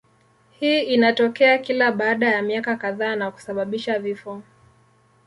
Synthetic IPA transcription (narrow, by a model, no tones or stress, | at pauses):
hiːinatɔkɛakilaɓaːɗajamiakakaðaːnaku̥saɓaɓiʃavifɔ